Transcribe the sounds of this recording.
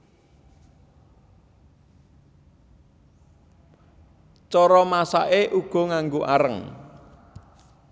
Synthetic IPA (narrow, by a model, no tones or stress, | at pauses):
t͡ʃɔɾɔmasa̰ʔeʔuɡ̥ɔ̤ŋaŋɡoʔaɾəŋ